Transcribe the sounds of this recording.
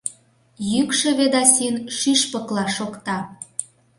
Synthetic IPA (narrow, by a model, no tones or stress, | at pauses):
jykʃĕβed̪ɑsʲinʃyʃpəklɑʃokt̪ɑ